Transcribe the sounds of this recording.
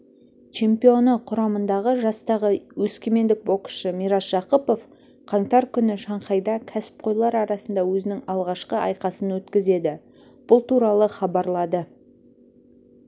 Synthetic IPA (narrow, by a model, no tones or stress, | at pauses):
t͡ʃʰe̞mpijo̞nəqʰʊɾɑmənd̪ɑʁəʒɑst̪ɑʁəwɵskʲeme̞nd̪ɪk̚bo̞qsʃəmijɾɑsʒ̥ɑqəpo̞f | qʰɑŋt̪ɑɾkʲʰʏnɪʃɑɴqɑjd̪ɑkʲʰæsɪ̥p̚qʰo̞jlˠɑɾɑɾɑsənd̪ɑwɵzɪnɪŋɑlˠʁɑʃqəɑ̰jqɑsənwɵt̪kʲɪze̞d̪ɪ | b̥ʊlˠt̪uɾɑlˠəχɑbɑɾlˠɑd̪ə